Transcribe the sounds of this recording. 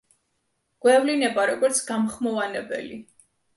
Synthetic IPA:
ɡ̥wɛvlinɛbaɾɔɡɔɾt̪sʰɡamχmɔvanɛbɛ̰li

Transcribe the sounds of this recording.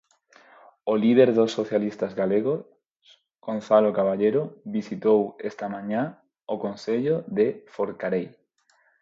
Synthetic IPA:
olið̞eɾðosːoθjalist̪azɣaleɣo | s | ɡ̥onθalokaβ̞aʎeɾoβisit̪owest̪amãɲa | okonθeʎoðefoɾkaɾej

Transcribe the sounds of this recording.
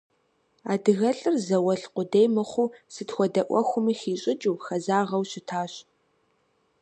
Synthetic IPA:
a̰ːdɨɣɐɬʼɨrzɐwɐɬqʷʊdejmɨχʷʊsɨtxʷɔdɐʔʷɔxʷʊmiːxiːɕʼɪd͡ʒʼuwxɐzaːʁɐwɕɪtʰaːɕ

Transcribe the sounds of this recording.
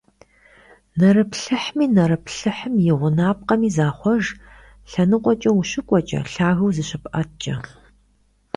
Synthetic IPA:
nɐɾɨpɬɨħmiːnɐɾɐpɬɨħəmjɪʁʷʊnaːp̚qɐmiːzaːχʷɔʒ | ɬɐnɨqʷɔt͡ʃʼɐwuɕɨkʷʼɔt͡ʃʼɐ̰ɬaːɣɐwzɨɕɪpʔɐtt͡ʃʼɐ

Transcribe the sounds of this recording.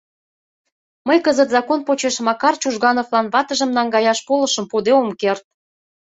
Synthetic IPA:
məjkəzət̪zɑkonpot͡ɕeʃmɑkɑrt͡ɕuʒɣɑnovlɑnβɑt̪əʒə̆mnɑŋɡɑjɑʃpolə̆ʃəmpud̪eomkert̪̚

